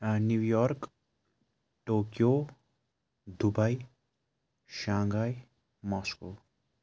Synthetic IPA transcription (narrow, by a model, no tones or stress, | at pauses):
njuwjɔrk | ʈokjo | d̪ubaj | ʃãŋɡaj | mʌsko